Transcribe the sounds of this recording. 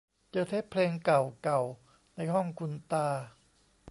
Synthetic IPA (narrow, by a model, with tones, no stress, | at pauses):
t͡ɕɤː˧˩t̪ʰe˦˥ppʰleː˧ŋka˨˩wka˨˩w | na˧jɦɔ˥˩ŋkʰu˧nt̪aː˧